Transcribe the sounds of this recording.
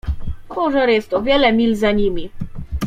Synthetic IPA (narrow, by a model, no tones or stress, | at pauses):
kʰɔʐaɾjɛst̪ɔvʲjɛlɛmʲilzaɲimʲi